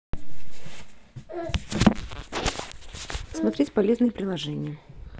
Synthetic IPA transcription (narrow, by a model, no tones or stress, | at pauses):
smɐt̪ɾʲetʲpɐlʲe̞znɨjəpɾʲɪlˠɐʐɛnʲɪjə